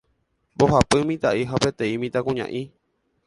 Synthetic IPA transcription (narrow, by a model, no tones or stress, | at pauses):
boɦapɨmĩt̪aʔiɦapet̪ẽĩmĩt̪akũɲã̰ʔi